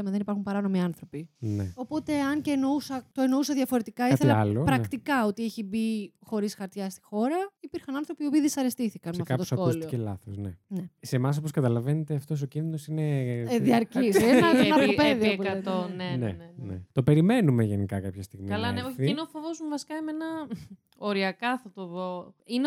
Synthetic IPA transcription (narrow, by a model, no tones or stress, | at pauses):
ɐmeðenipɐɾxumpɐɾɐno̞miɐnθɾo̞pineo̞po̞t̪e̞ɐɲceːnousɐt̪o̞enousɐðʝɐfo̞ɾet̪ikɐiθelɐalopɾɐkt̪ikɐo̞t̪ieçibixo̞ɾisxɐɾt̪çɐst̪i̥xo̞ɾɐipiɾxɐnɐnθɾo̞pio̞piːðisɐɾest̪iθikɐnmɐfkooosɐkousltiocelɐ̰θosnenesemɐs̬o̞poskɐt̪ɐlɐvenet̪eɐft̪o̞s̬ocinðinosineðiɐɾcisenɐnɐopeðiopuɐet̪onenḛnenḛt̪o̞pe̞ɾime̞numeʝenikɐkɐpçɐst̪iɣmiɐlɐneoineofovozmuvɐsi̥kɐimenɐ | oɾiɐkɐθɐt̪oðoine